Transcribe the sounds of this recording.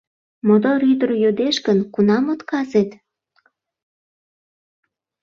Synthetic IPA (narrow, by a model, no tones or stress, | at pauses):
mod̪oɾyd̪ərjod̪eʃkənkunɑmot̪kɑzet̪